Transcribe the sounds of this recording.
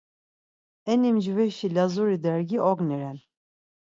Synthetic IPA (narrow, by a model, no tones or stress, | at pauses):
ɛnimd͡ʒvɛʃilazuɾid̪ɛɾɡiɔɡniɾɛn